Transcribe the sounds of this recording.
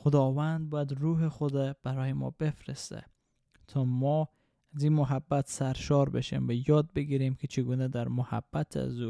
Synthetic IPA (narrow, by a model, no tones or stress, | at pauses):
xod̪ɒvand̪̚bɔjad̪ɾuɦexod̪ab̥aɾɔhemɒ̰befɾest̪æ̰ | t̪ʰɒmɔ | azimʊɦabːat̪saɾʃɒɾbeʃḛmvajɒd̪̚beɡiɾemkʰet͡ʃʰeɡunæd̪aɾmʊha̰b̥ːat̪ʰa̰zu